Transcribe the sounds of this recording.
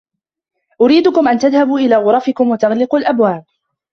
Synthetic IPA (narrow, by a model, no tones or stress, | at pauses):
ʔʊɾiːd̪ʊkʊmʔant̪aðhabuːʔɪlaːɣʊɾˤɑfɪkʊmwat̪ɑɣlɪquːlʔabwaːb̚